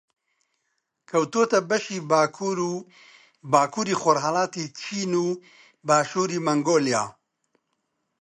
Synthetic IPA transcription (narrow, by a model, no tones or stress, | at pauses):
kʰɐwt̪oːt̪ɐbɐʃiːbʰuɾu | baːkʰuːɾiːxoɾɦɐlaːt̪iːt͡ʃʰiːnuː | baːʃuːɾiːmɐŋɡoːljaː